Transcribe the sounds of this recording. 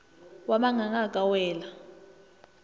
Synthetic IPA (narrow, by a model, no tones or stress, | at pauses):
waɓaŋaŋakʼawɛːla